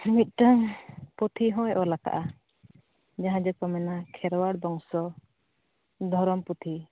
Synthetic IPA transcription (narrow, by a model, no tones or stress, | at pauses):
mit̪̚ˀʈaŋpɔt̪ʰiɦɔ̃jʔɔlaka̰ʔa | d͡ʒaɦãd͡ʒɔkɔmɛnakʰɛɾwaɽbɔŋsɔ | d̪ʱɔɾɔmput̪ʰi